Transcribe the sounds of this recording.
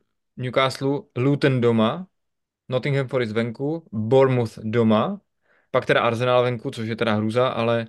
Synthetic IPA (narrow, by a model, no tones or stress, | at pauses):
ɲukaːslulut̪ndoma | not̪ɪŋɡɦɛmfoɾɪzvɛŋkuboɾmuθdoma | pak̚t̪ɛɾaʔaɾzɛnaːlvɛŋkut͡soʃjɛt̪ɛɾaɦɾuːzaʔa̰lɛ